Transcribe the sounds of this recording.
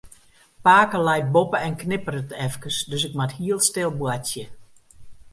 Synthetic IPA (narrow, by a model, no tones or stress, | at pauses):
paːkəlɛjt̚bopəɛnknɪpərətɛfkəsdøsɪkmathiəlˠstɪlˠbwatjə